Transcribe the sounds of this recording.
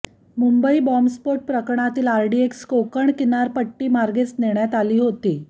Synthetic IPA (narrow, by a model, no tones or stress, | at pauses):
mumbəiːbɔmspoʈ̚pɾəkɳ̃at̪iːlaɾɖiekskokəɳkinaɾpəʈːiːmaɾɡet͡sniɳjat̪aliːɦot̪iː